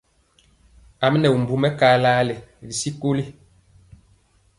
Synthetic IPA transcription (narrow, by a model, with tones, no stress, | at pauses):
a˨m˦nɛ˨u˨m̩˨bu˨mɛ˦kaː˨˦laː˦lɛ˨li˨si˦ko˦li˦